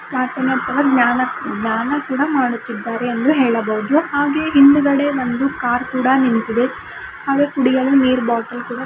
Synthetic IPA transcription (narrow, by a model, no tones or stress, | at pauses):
kaːɾt̪ɐniɐt̪ʰːɐʋɐɡɲaːnɐɡnaːnɐkuːɽɐmaːɽut̪ːid̪ːaːɾeːnd̪uɦeːɭɐbɐʋud̪uhaːɡe̞ɦind̪uɡɐɽe̞ʋond̪ukaːɾkuːɽɐnint̪id̪e | haːɡe̞ːkuɽijɐluniːɾbaːʈɐlkuːɽɐ